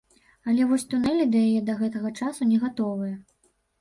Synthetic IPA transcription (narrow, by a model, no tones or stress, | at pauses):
ɐlʲɛvɔsʲt̪unɛlʲid̪ɐjajɛd̪ɐɣɛt̪ɐɣɐt͡ʂasunʲɛɣat̪ɔvɨjɐ